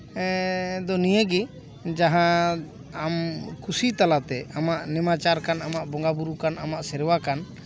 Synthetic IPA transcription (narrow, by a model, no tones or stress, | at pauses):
d̪ɔnijəɡi | d͡ʒaɦã | amkʰusit̪alat̪ɛamaʔnɛmat͡ʃaɾkanamaʔbɔŋɡabuɾukanamaʔsɛɾwakan